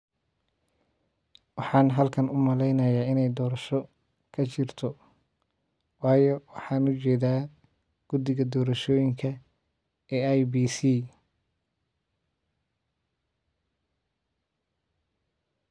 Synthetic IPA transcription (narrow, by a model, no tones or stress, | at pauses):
wɑħɑːnɦɐlkʰɐnʊmɐlɛjnɐjaːɪnɛjd̪ɔːɾɐʃɔ | kʰɐt͡ʃɪrt̪ʰɔ | wɑːjɔwɑħɑːnʊt͡ʃɛːðaː | ɡ̥ʊd̪ɪɣɐd̪ɔːɾɐʃɔːjɪŋkʰɐ | ɛːajbiːsiː